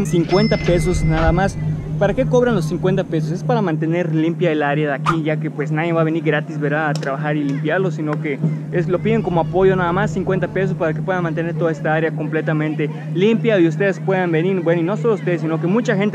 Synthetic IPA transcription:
siŋkwe̞nt̪ape̞s̬osnaðamaspaɾake̞ko̞β̞ɾanlos̬iŋkwe̞nt̪ape̞s̬os̬e̞spaɾamãnt̪e̞ne̞ɾlimpjaelaɾjaðakiʝake̞pwe̞snaðjeβaβe̞niɾɣɾat̪izβeɾaːt̪ɾaβaxaɾilimpjaɾlo̞sino̞ke̞eslo̞piðeŋko̞moapo̞ʝo̞naðamasːiŋkwe̞nt̪ape̞s̬ospaɾakepwe̞ðanmãnt̪e̞ne̞ɾt̪o̞ðaest̪aaɾjako̞mple̞t̪amẽnt̪e̞ | limpjaius̬t̪eðespwe̞ðambeniɾbwenoino̞so̞loust̪e̞ðes̬ino̞ke̞mut͡ʃaxe̞nt̪

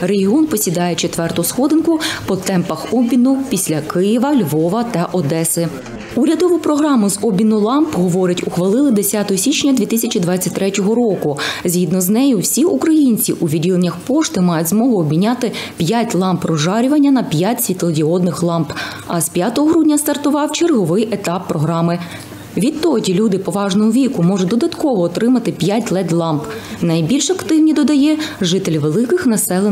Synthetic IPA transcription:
reɦʲiɔnpɔsʲid̪ɑjet͡ʃet̪ʋɛrt̪ɔɦɔsxɔd̪ɪnkʊpɔt̪ɛmpɐxɔbʲinʊpʲisʲlʲɐkɪjɪʋɐlʲʋɔʋɐt̪ɐʔɔd̪ɛsɪ | uɾʲɐd̪ɔʋʊpɾɔɦɾɑmʊzɔbʲinʊlˠɑmpɦɔʋɔɾɪtʲʊxʋɐlˠɪlˠɪd̪esʲat̪ɔɦɔsʲit͡ʃnʲɐd̪ʲʋʲit̪ɪsʲɐt͡ʃid̪ʋɑt͡sʲːɐtʲt̪ɾɛtʲɔɦɔɾɔkʊzʲɦid̪nɔznɛjʊwsʲiukɾɐjinʲt͡sʲiʔuʋʲidʲilenʲːɐxpɔʃt̪ɪmɑjʊtʲzmɔɦʊɔbʲmʲinʲːat̪ɪpʲjatʲlˠɑmprɔʒɑɾʲʊʋɐnʲːɐnɐpʲjatʲsʲʋʲit̪lˠɔɡʲiɔd̪nɪxlˠɑmp | ɐspʲjat̪ɔɦɔɦɾudʲnʲɐst̪ɐrt̪ʊʋɑwt͡ʃerɦɔʋɪjʔet̪ɑpːɾɔɦɾɑmɪ | ʋʲid̪̚t̪ːɔdʲilʲud̪ɪpɔʋɑʒnɔɦɔʋʲikʊmɔʐʊd̪ɔd̪ɐt̪kɔʋɔːt̪ɾɪmɐt̪ɪpʲjat̚ʲlˠɛt̪ʲlˠɑmpnɐjbʲilʲʃɐkt̪ɪwnʲid̪ɔd̪ɐjɛʒɪt̪elʲiʋelˠɪkɪxnɐsɛlˠe

